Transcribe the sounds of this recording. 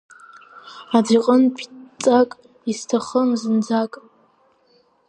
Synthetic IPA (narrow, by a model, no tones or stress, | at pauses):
adiqʼənpʰʼt͡sʼakʼ | istʰaχəmzɨnd͡zakʼ